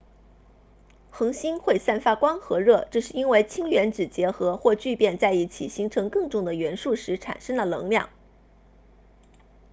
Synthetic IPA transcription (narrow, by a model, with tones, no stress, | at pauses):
xɤ˧˥ŋɕi˥nxwe˥˧ɪsa˥˩nfa˥kwɑ˥ŋxɤ˧˥ɻɤ˥˩ʈ͡ʂɤ˥˧ʂɻ̩˥˩i˥nwe˥˩ɪt͡ɕʰi˥ŋɥɛ˧˥nʈ͡ʂɻ̩˨˩t͡ɕjɛ˧˥xɤ˧˥xwɔ˥˧t͡ɕy˥˧pjɛ˥˧nt͡sa˥˧ɪi˥˩t͡ɕʰḭ˨˩ɕi˧˥ŋʈ͡ʂʰɤ˧˥ŋkɤ˥˧ŋʈ͡ʂʊ˥˩ŋd̪ə˩ɥɛ˧˥nʂu˥˩ʂɻ̩˧˥ʈ͡ʂʰa̰˨˩nʂɤ˥ŋd̪ə˨lɤ̰˧˥ŋljɑ̰˥˩ŋ